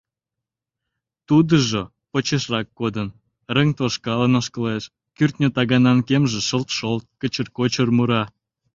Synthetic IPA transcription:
t̪ud̪əʒo | pot͡ɕeʃrɑkːod̪ən | rəŋt̪oʃkɑlənəʃkə̆leʃ | kyrt̪nʲət̪ɑɣɑnɑnkemʒĕʃəlt̪ʃolt̪̚kət͡ɕərkot͡ɕərmuɾɑ

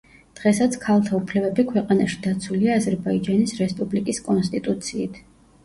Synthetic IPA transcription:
d̪̥ʁɛsat̪sʰkʰalˠt̪ʰaupʰlɛbɛbikʰwɛqʼanaʃi̥d̪̥at̪sʰwuliaːzɛɾbaid͡ʒanisɾɛspʼublikʼiskʼɔnst̪ʼit̪ʼut̪sʰiːt̪ʰ

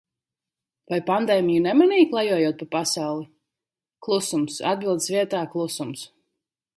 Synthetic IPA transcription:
vajpand̪ɛːmijunɛmɛnijklˠajuɔjuɔt̪̚papasawlˠi | klˠusumsa̰d̪̚bilˠd̪svʲiɛt̪aːklˠusums

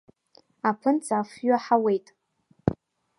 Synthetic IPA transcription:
apʰɨnt͡sʼaːfɥaħawejtʼ

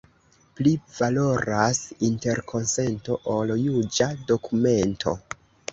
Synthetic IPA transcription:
pliv̥alo̞ɾasinte̞ɾkʰo̞nse̞nto̞ʔoljud͡ʒado̞kume̞ntʰo̞̰

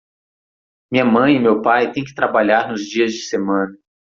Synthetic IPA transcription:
mĩɲɐmɐ̃j̃ɪmewpajt̪ẽj̃kɪ̥t̪ɾabaʎaɾnʊzd͡ʒiɐzd͡ʒɪsemɐ̃nɐ

